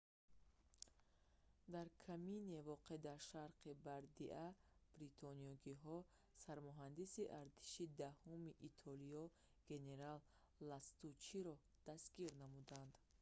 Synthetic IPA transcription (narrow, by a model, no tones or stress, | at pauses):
d̪aɾkʰaminevɔqed̪aɾʃaɾqʰibaɾd̪iʔab̥ɾit̪ʰɔniɔɡiɦɔ | saɾmɔɦand̪isiʔaɾt̪ʰi̥ʃid̪ahumiʔːt̪ʰɔliɔ | ɡ̥e̞ne̞ɾalː | ast̪ut͡ʃiɾɔ | d̪̥asɡiɾnamud̪and̪